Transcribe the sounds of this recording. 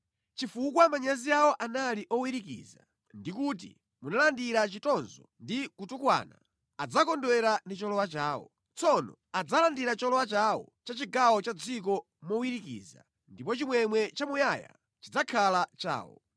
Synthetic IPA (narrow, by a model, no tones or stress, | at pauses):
t͡ʃifukwamaɲaziawɔʔanaliʔɔwiɾikḭːza | ndikuːt̬ḭ | munalandiɾat͡ʃitɔnzɔndikutukwa̰ːna̰ | ad͡zakɔndwɛɾanit͡ʃɔlɔwat͡ʃaːwɔ̰ | t͡sɔnɔ̰ | ad͡zalandiɾat͡ʃɔlɔwat͡ʃawɔ̰t͡ʃat͡ʃiɡawɔt͡ʃad͡zik̬ɔ | mɔwiɾikḭːza̰ | ndip̬ɔt͡ʃimwɛmwɛt͡ʃamujaja̰ | t͡ʃid͡zakʰalat͡ʃa̰ːwɔ̰